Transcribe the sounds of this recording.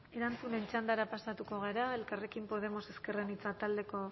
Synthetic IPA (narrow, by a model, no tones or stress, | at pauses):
e̞ɾant͡sune̞nt͡ʃand̪aɾapasat̪uko̞ɣ̞aɾae̞lkare̞kimpo̞ð̞e̞mo̞se̞ske̞renit͡sat̪ald̪e̞ko̞